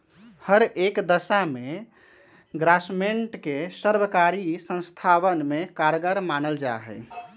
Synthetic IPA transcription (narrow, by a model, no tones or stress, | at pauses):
həɾekd̪əsame | ɡɾasmeɳʈkesəɾbəkaɾisə̃nst̪ʰaʋənmekaɾɡəɾmanəld͡ʒa̰ɦɛ̰ɪ